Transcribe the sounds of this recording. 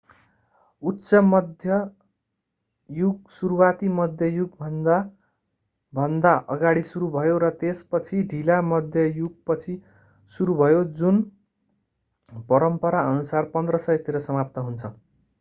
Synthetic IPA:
utːsʌmʌd̪ʱjʌ | juɡsuɾuwat̪imʌd̪ʱjʌjuɡbʱʌnd̪a | bʱʌnd̪aʔʌɡaɽisuɾubʱʌjoɾʌt̪espʌt͡sʰiɖʱilamʌd̪ʱjʌjuɡ̚pʌt͡sʰi | suɾubʱʌjod͡zun | pʌɾʌmpʌɾaʌnusarpʌnd̪rʌsʌjt̪iɾʌsʌmap̚t̪ʌɦunt͡sʰʌ

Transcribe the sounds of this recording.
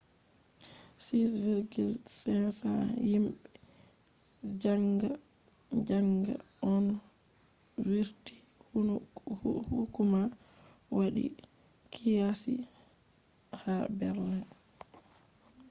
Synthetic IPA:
sisviɾɡilsɛnsa̰jimɓɛ | d͡ʒaŋɡa | d͡ʒaŋɡa̰ɔn | wiɾti̥hhuhukumawaɗḭ | kʰijasḭ | habɛɾlan

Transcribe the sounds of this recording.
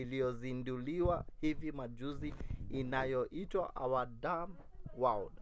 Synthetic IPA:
ilijɔzinduliwahivimaʄuziːnajɔʔitwa̰ʔawadam | waɔd

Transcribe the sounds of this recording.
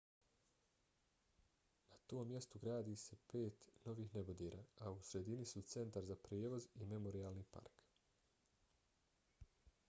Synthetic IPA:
nat̪o̞ːmːje̞st̪uɡɾaːd̪iːse̞pe̞ːt̪no̞ʋiːxne̞bod̪eːɾaːausɾe̞d̪inisut̪se̞nt̪aɾzapɾjeːʋo̞zime̞mo̞ɾiaːlˠniːpa̰ɾk

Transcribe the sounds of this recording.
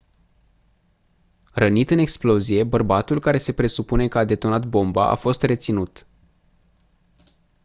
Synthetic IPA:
rənit̪ɨne̞ksplo̞zije̞bərbat̪ulkaɾe̞se̞pɾe̞supune̞kəad̪e̞t̪o̞nat̪bo̞mba̰ʔa̰fo̞st̪re̞t̪sinut̪

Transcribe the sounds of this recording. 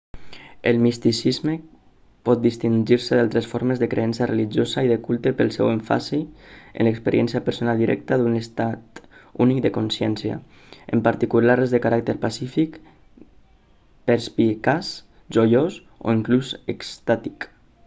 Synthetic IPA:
əlˠmist̪isizme | pɔt̪̚d̪ist̪iɲʒiɾseðalˠt̪ɾesfoɾmezðəkɾḛɛnsareliʒozaiðekulˠt̪epəlˠsɛweɱfa̰siḛnləkspəɾʔiɛ̰nsjapəɾsonalˠd̪iɾʔɛ̰k̚t̪aðunest̪at̪unik̚d̪əkonsjɛnsja̰ | ḛmpaɾt̪ikulaɾezðəkaɾak̚t̪eɾpasifik | peɾspikas | ʒojos | o̰iŋklusekst̪at̪ik

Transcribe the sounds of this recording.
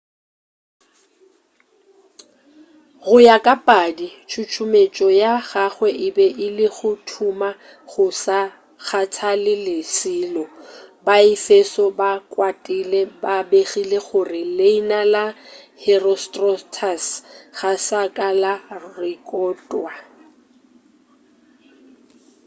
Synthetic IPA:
ɣʊjakʼapʼadit͡ʃʰʊt͡ʃʰʊmet͡ʃʼɔjaɣaχwɛʔɪbɛʔɪlɪɣʊtʰuma | ɣʊsa | ɣatʰalɪlɪsɪːlɔbaɪfesɔbakʼwatʼilɛbabeχileχʊrɪleinalahɛrɔstʼrɔtʰasɣasakʼalarɪkʼɔːtʼwa

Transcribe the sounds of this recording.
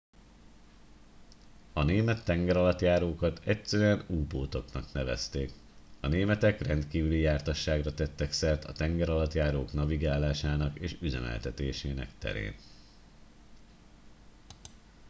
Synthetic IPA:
ɒneːmɛt̪ːɛŋɡɛɾɒlɒt̪jaːɾoːkɒt̪ɛcsɛɾyɛnuːboːt̪o̞knɒknɛvɛ̰st̪eːk | ɒneːmɛt̪ɛkrɛnt̪kiːvylijaːrt̪ɒʃːaːɡrɒt̪ɛt̪ːɛksɛrt̪ɒt̪ɛŋɡɛɾɒlɒt̪jaːɾoːknɒviɡaːlaːʃaːnɒkeːʃyzɛ̰mɛ̰lt̪ɛt̪eːʃeːnɛ̰kt̪ɛ̰ɾḛːn

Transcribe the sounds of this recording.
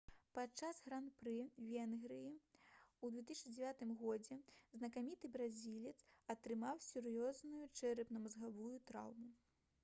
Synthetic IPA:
pat͡ʂasɣɾanpɾɨvʲɛnɣɾɨjiud̪vʲɛt̪ɨsʲnɨd͡zʲɛvʲat̪ɨmɣɔd͡zʲɛznɐkamʲit̪ɨbɾazʲilʲɛt̪sɐt̪ɾɨmawsʲurjɔznujut͡ʂɛɾɨpnɐmɐzɣavujut̪ɾa̰wmu

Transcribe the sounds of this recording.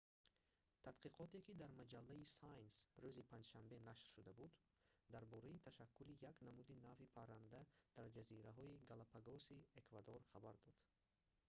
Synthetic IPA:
t̪ʰad̪qiqʰɔt̪e̞kid̪aɾmad͡ʒalːaisajnsɾuzipʰãnd͡ʒʃambe̞naʃɾʃud̪abud̪ | d̪aɾbɔɾait̪ʰaʃakʰːulijaknamud̪inavipʰaɾand̪ad̪̥aɾd͡ʒaziɾaɦɔiɡalapʰaɡɔsiekvad̪oɾχabaɾd̪ɔd̪̥

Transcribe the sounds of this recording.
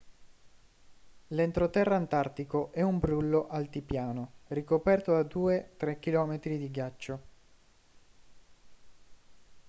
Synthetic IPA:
lent̪ɾot̪ɛrːaant̪art̪ikoʔɛumbɾulːoʔalt̪ipjaːnorikopɛrt̪od̪ad̪uːet̪ɾɛk̟ːilɔːmet̪ɾid̪iɡjat͡ʃːo

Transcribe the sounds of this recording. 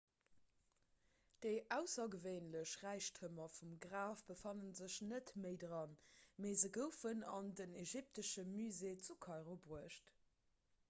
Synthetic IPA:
d̥əɪʔæʊsɐɡəveɪnləɕʁæɪʃtʰhəmɐfumɡʀaːfb̥əfɑnənzəɕnətməɪdʁɑnmeːzəɡəʊfənɑ̰ndəneʒip̚təʃəmyzeːt͡sukʰɑɪʁobʁuəʃt

